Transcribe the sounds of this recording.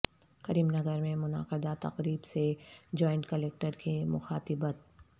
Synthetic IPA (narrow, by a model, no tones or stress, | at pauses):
kɐɾiːmnɐɡəɾmẽmʊna̰ːqɪd̪at̪ɐ̰qɾiːbsed͡ʒɔːɪɳʈkɐleːk̚ʈəɾkimʊ̰xaːt̪ɪbət̪̚